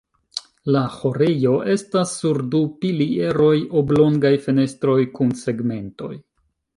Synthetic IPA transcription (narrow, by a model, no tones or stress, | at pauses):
laho̞ɾejo̞ʔe̞stasːuɾdupilie̞ɾo̞jo̞blo̞ŋɡajfe̞ne̞stɾo̞jkunse̞ɡme̞nto̞̰j